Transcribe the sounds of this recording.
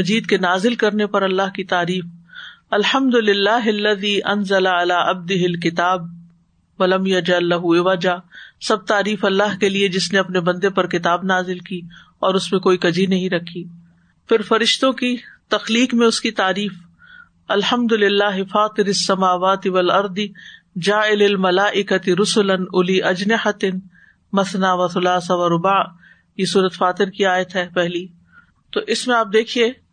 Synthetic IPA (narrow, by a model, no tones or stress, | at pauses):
ɐd͡ʒiːd̪̚kenaːzɪlkɐɾnepɐɾɐlːaɦkit̪aːɾiːfɐlħɐmd̪ʊlɪlːaːɦɐlːɐðiːʔɐnzɐlaɐlaːʔɐb̚d̪ɪɦɪlkɪt̪aːb̚ | ʋɐlɐmjɐd͡ʒɐlːɐɦuɪʋɐd͡ʒaːsɐb̚t̪aːɾiːfɐlːaɦkelied͡ʒɪsneɐpnebɐ̃nd̪epɐɾkɪt̪aːbnaːzɪlkiː | ɔːɾʊsmẽkoːikɐd͡ʒinɐɦĩɾɐkʰːiː | fɪɾfɐɾɪʃt̪õkit̪ɐxliːkmẽʊskit̪aːɾiːf | ɐlhɐmd̪ʊlɪlːaːɦɪfaːt̪ɪɾɪsːɐmaːʋaːt̪ɪʋɐlɐɾd̪ɪ | d͡ʒaːɪlɪlmɐlaːʔɪkɐt̪ɪɾʊsʊlɐnʊliʔɐd͡ʒnɪħɐt̪ɪn | mɐθnaʋɐxʊlaːsaʋɐɾʊbaː | jesuːɾət̪faːt̪ɪɾkiaːjət̪ɦɛːpɛɦli | t̪oːʔɪsmẽaːp̚d̪eːkʰieː